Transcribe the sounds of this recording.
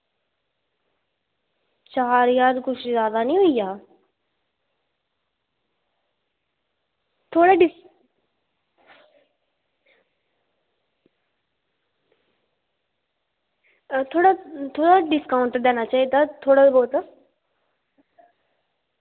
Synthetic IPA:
t͡ʃaːɾjaːd̪kʊt͡ʃʰzjaːd̪anĩɦʊijaː | t̪ʰoːɽaɖɪs | t̪ʰoːɽat̪ʰoːɽaɖɪskaːʊ̃ɳʈd̪eːnat͡ʃaːɦied̪at̪ʰoːɽabɔːt̪a

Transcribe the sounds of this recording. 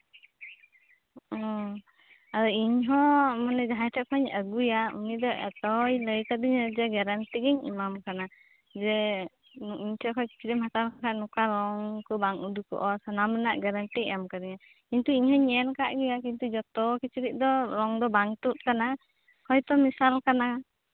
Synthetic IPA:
ɔ | aɾɔiɲɦɔmanɛd͡ʒaɦajtʰɛkʰɔɲəɡujaṵnid̪ɔʔɛ̰t̪ɔjləjkad̪iɲad͡ʒɛɡɛɾanʈiɡɛɲḭmamkana | d͡ʒɛ | iɲtʰɛkʰɔjki̥t͡ʃʰiɾiʔmat̪aɾkakʰaʔnukaɾɔŋkɔbaŋud̪ukɔ̰ʔɔsanamɛnaʔɡɛɾanʈḭjamkad̪iɲa | kiɲt̪uiɲhɔɲɛnkaʔɡujakint̪ud͡ʒɔt̪ɔkit͡ʃiɾiʔ̚d̪ɔɾɔŋd̪ɔbaŋt̪ut̪̚kana | kʰɔjt̪ɔmisalkana

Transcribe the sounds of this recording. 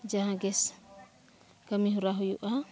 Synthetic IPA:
d͡ʒaɦãɡɛs | kamiɦuɾaɦujṵʔa

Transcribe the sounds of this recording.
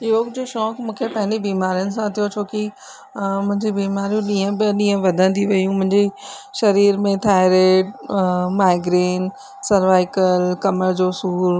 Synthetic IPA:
ɪɦokd͡ʑoːʃɔːkmũːkʰepɐ̃ɦɪ̃ɲd͡ʑebiːmaːɾijʊnɪ̆sãt̪ʰijot͡ɕʰoːki | mʊ̃ɦɪ̃ɲd͡ʑibiːmaːɾijũɗiːə̃bɪɗĩːə̃ʋɐd̪ʱə̃nd̪iʋɐjũmʊ̃ɦɪ̃ɲd͡ʑiʃɐɾiːɾmẽt̪ʰaːɪɾeːʈ̚maːɪɡɾiːn | sɐɾʋaːɪkəlkɐməɾd͡ʑosuːɾ

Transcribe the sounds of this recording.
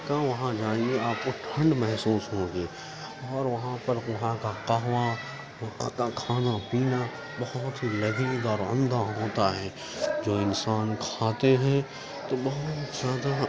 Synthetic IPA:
kaʋɐɦãd͡ʒaːieaːp̚koʈʰə̃ɳɖmɛɦsuːsɦõːɡeː | ɔːɾʋɐɦãpɐɾʋɐɦãkaqɐɦʋa | ʋɐɦã̰kakʰaːnapiːna | bɐɦʊʊt̪ɦilɐɡnid̪ɔːɾʊ̰̃nd̪aɦoːt̪aɦɛː | d͡ʒoːɪnsaːnkʰaːt̪eɦɛ̃ | t̪obɐɦʊt̪zjaːd̪a

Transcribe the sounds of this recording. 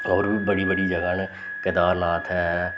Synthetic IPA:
ɔːɾbəɽiːbəɽiːd͡ʒəɡaːn | kɪd̪aːɾnaːt̪ʰɛː

